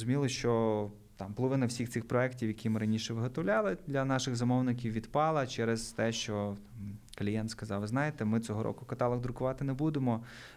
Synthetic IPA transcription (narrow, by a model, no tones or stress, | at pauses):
zʊmʲilˠɪʃt͡ʃɔ | t̪ɑmpɔlˠɔʋɪnɐwsʲixt̪ɪxpɾɔɛktʲiwjɐkʲimɪɾɐnʲiʃɛʋɪɦɔt̪ɔwlʲɑlˠɪd̪lʲɐnɑʃɪɣzɐmɔwnɪkʲiwʋʲid̪pɑlˠɐt͡ʃɛɾɛzt̪ɛʃt͡ʃɔt̪ɑmkɐlʲijɛnskɐzɑwʋɪznɑjet̪ɛmɪt͡s̪ʲɔɦɔɾʔɔ̰kʊkɐt̪ɑlˠɐɡd̪ɾʊkʊʋɑt̪ɪnɛbud̪emɔ